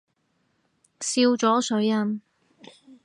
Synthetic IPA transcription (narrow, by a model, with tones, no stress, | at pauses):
siː˧wt͡sɔː˨˥sɵ˨˥ɥjɐ˧m